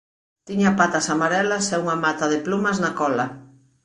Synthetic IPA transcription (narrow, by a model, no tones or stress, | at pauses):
t̪iɲapat̪asamaɾɛlasɛuŋamat̪aðɪplumaznakɔla